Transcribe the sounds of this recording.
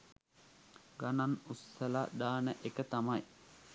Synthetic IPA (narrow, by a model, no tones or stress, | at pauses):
ɡananusːəlaɖ̪aːnəʔekət̪amaj